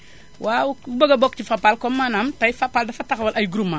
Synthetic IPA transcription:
waubəɡɐbɔk̚cifapːalkɔmːanɐmtɐjfapːaldɐfɐtɐxwɐlʔɐjɡuɾuma

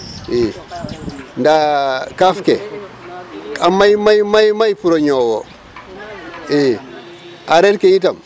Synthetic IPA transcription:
e | ndakafke | amajmajmajmajpuɾoɲowo | e | aɾetkeit̬am

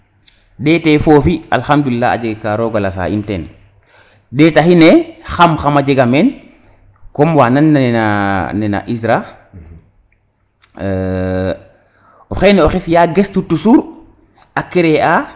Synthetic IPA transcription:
deːtefoːfialxamd̪ulilːaa̰d͡ʒeɡkːaɾoːɡalasa̰ːʔḭnten | deːtahinexamxamad͡ʒeɡamen | komwaːnanːananena̰ʔisɾa | oxeneoxifjaɡestutusuɾ | akːeɾeʔa

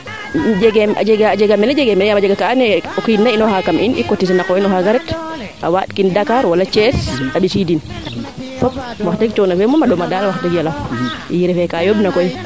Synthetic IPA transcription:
d͡ʒɛɡɛma̰d͡ʒɛɡad͡ʒɛɡamɛnad͡ʒɛɡɛmɛnjamad͡ʒɛɡakaːnɛɔkjinainɔhakamʔinʔḭkotːis̬inakɔinɔɦaɡaɾɛt | ʔa̰watkindakaɾwalat͡ʃɛsaɓisidin | fɔp̚waxtaɡit͡ʃɔnafɛmɔmaɗɔmadalawaxtaɡialafʔijiɾɛfɛkajobnakɔj

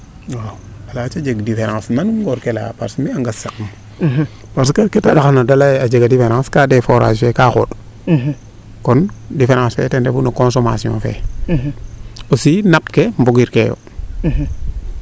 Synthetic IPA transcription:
a | alat͡ʃad͡ʒeɡdifeɾãsnanumɡoɾkela̰pa̰ɾsmiaŋɡasek̚m | paɾs̬kaketaɗaxanadalajad͡ʒeɡadifeɾãskadefoɾa̰d͡ʒfekaxo̰ɗ | kɔndifeɾãsfḛtendefunakonsoma̰siõ̰fḛ | osinapkemboɡiɾkejo̰

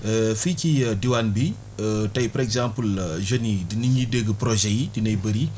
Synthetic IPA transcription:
əfikidiwanbi | ətɐjpɐɾɛɡzãmpəlʒonidiniɲidəɡəpɾɔʒɛjidinɐjbəɾi

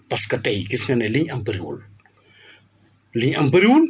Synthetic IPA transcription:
paskat̪ejkisiŋaneliɲambɾiṵl | liɲambɾiul

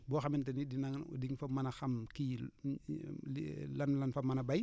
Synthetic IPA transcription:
bɔːxɐmintɛnidinɐŋ̰diŋfɐmɐnɐxɐmki | lɐnlɐnfɐmɐnɐbaj

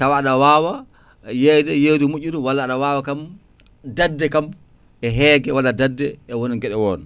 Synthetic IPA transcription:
tawaːɗawaːwa | jɛjdɛjedumuʔːuɗɔwalːaːɗawaːwakam | dadːɛkam | ɛɦɛːɡɛwalːadadːɛʔɛwoniŋɡɛɗɛwɔn

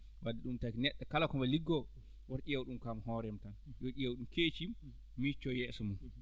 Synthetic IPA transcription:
wadːɛɗumtaːkinɛɗːakalakɔmbaliɡːɔ | wɔɾɗijawɗumkaːmaɦɔɾɛmtanjɔɗijawɗumket͡ʃi | mit͡ʃːɔjɛsɔmun

